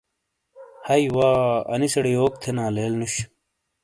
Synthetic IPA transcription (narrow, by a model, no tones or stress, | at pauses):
hɐiwaːɐ̰nisɐɽijoːk̚t̪ʰenãːleːlnuɕ